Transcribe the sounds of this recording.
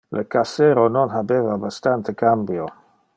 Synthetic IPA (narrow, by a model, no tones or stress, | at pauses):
lʔəkaseɾononɦabevabast̪ant̪ekambjo